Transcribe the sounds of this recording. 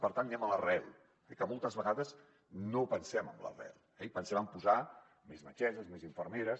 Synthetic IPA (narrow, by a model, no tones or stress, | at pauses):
pəɾt̪anːiɛmələrɛlˠ | ɛkəmolˠt̪əzβəɣaðəz | nopənsɛməmlə̰rɛ̰lˠɛipənsɛməmpuza | mezmət͡ʃɛzəzmeziɱfəɾmeɾəs